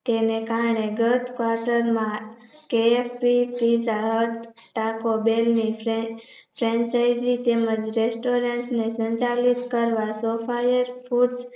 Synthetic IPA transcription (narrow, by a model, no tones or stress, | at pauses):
t̪enekaɾɳeɡət̪kʋaɾʈəɾmãkeefpipizaɦəʈ | ʈakobelni | pʰɾɛ̃ɲt͡ʃajzit̪eməd͡ʒɾesʈoɾeɳʈsnesə̃ɲt͡ʃalit̪kəɾʋasofʰajəɾfʰuɖs